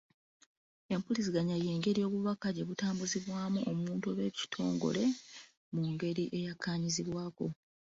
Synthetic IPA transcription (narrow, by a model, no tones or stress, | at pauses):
e̞mpulis̬iɡaɲajeːŋɡe̞ɾijo̞ːβuβakaɟe̞βutaːmbuziβwaːmuʔomuːntuβeci̥tʰo̞̰ːŋɡo̞̰le̞ | muŋɡe̞ɾiʔe̞jakʰːaːɲiziβwaːko̞